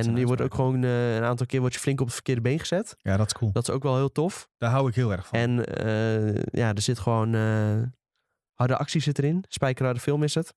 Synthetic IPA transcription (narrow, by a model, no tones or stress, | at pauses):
ɛniəʋɔto̰ːkχəʋoːnənaːntɔlˠkɪːʋɔtjəflɪŋkɔpətfərkɪːədəbejnχəz̥ɛtjadɔtɪ̥skʰulˠdɔtɪ̥sowkʋɛlˠɦɪːlˠtofd̥aɦawɪkɦɪːlˠɛrxfɛnəjadərsɪtχəʋoːnə | hɑrdəʔɑ̰ksisɪtərɪnspɛjkərɔrdəfɪlˠmɪsət